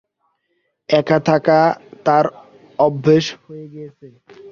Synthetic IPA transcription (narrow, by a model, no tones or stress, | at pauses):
ɛkat̪ʰakat̪aɾ | ɔbʱːeʃhojeɡejet͡ɕʰe